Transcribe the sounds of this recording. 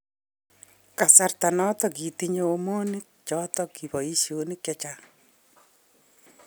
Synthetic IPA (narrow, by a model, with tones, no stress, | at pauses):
ka˨sa˦rta˨nɔ˦tɔ˨ki˨ti˦ɲoː˦mo˦ni˦k̚t͡ʃɔ˦tɔ˦ki˨bɔ˨i˦sjoni˦kjat͡ʃa